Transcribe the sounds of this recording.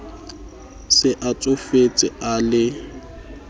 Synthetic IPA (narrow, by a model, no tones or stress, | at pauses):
sɪʔat͡sʼʊfet͡sʼɪalɪ